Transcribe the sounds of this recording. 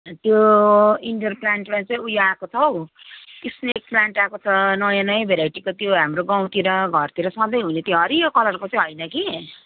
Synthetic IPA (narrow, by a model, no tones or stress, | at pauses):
t̪joiɳɖʌrplaɳʈmãt͡sʌĩujoakot͡sʰʌw | t̪isnek̚plaɳʈakot͡sʰʌnʌjãnʌjʌbʱeɾajʈikot̪joɦamroɡaw̃t̪iɾʌɡʱʌrt̪iɾʌsʌ̃d̪ʌjɦunet̪joɦʌɾikʌlʌrkot͡sj̃ɦʌjnʌki